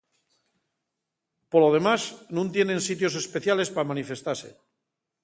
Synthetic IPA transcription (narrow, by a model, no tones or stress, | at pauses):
polo̞ð̞e̞maznũnt̪jenẽ̞nsit̪jo̞s̬e̞speθjale̞spamanife̞st̪aɾse̞̰